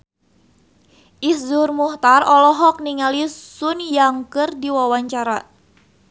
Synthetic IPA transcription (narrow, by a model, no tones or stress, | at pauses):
ʔisdʊrmuht̪arɔlɔɦɔk̚niŋalisunjaŋkɨrdiwawaɲt͡ʃaɾa